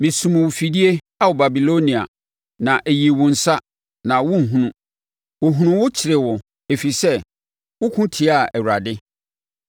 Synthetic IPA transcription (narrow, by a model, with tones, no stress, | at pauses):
mĩ˨sũ˨m̃˨wʊ˨fi˨di˦e˦ | a˦wʊ˨ba˨bi˨lo˦nĩ˨a˨ | nã˨ʔe˨ji˨wʊ̃˨n̩˨sa˦ | nã˨wʊ̃˦n̩˨ɦũ˦nũ˦ | wʊ˨ɦũ˨nũ˦˨wʊ˦t͡ɕʰɪ˨ɾɪ˨wʊ˨ | e˨fi˨sɛ˦ | wʊ˦kʰʊ̃˦tʰi˨a˦˨ɛ˨wɾa˨dɪ˦